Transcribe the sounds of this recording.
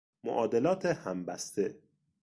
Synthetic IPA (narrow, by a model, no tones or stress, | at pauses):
mo̰ʔɒːd̪elɒːt̪ʰehæmbæ̰st̪ʰe